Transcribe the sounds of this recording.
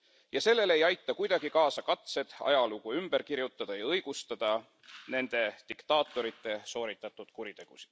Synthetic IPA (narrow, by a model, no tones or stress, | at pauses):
jɑse̞lːe̞le̞jɑjt̪ːˑɑkujd̪̥ɑɡ̥ikɑːsɑkɑt̪se̞d̪̥ɑ̰jɑluɡ̥uymb̥e̞ɾkiɾjut̪ˑːɑd̪̥ɑjɑɤjɡ̥ust̪ɑd̪̥ɑ | ne̞nd̪̥e̞d̪̥ikt̪ɑːt̪ːˑo̞ɾit̪ːˑe̞so̞ːɾit̪ːˑɑt̪ːˑud̪̥kuɾit̪e̞ɡ̥usi̥d̪̥